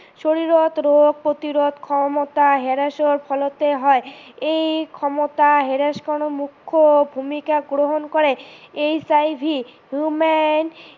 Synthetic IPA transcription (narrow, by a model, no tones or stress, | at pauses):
ʃoɾiɾot̪ɾoɡ̚pɾot̪iɾot̪kʰɔmot̪aɦeɾaʃoɾpʰɔlot̪eɦɔeejkʰɔmot̪aɦeɾaʃkɔnomukʰːobʱumikaɡɾoɦonkoɾeejsajbʱiɦumen